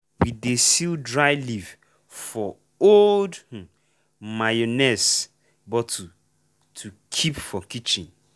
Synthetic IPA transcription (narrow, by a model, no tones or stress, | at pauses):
widesildɹajliv | fɔ | oldh̩ | majonɛs | bɔtʰu | tʰukʰipfɔkit͡ʃĩn